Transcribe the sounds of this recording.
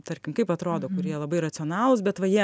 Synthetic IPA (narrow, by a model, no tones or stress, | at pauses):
t̪ɐɾʲkʲɪmkɐɪpɐt̪ɾoːd̪oːkʊɾʲiɛlˠɐbɐɪɾɐtt͡ssʲɪɔnɑːlˠʊsbʲɛt̪ʋɐjiɛ